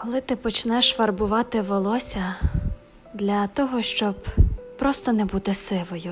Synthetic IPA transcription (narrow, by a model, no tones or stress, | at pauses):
kɔlˠɪt̪ɪpɔt͡ʃnɛʃfɐrbʊʋɑt̪ɪʋɔlˠɔsʲɐ | d̪lʲɐt̪ɔɦɔʃt͡ʃɔbpɾɔst̪ɔnɛbut̪ɪsɪlˠɔjʊ